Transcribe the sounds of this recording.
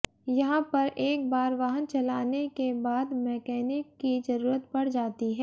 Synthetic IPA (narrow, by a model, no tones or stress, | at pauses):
jɐɦãpɐɾʔeːk̚baːɾʋaːɦənt͡ʃɐlaːnekebaːd̪mɛːkɛːnekːizɐɾuːɾət̪pɐɽ̤d͡ʒaːt̪iɦɛː